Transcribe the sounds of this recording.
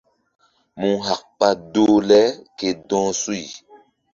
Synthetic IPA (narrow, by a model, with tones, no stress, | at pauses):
mũ˦ɦa˨k̚pa˦doː˦lɛ˦ke˨dɔ̃ː˦su˦i˨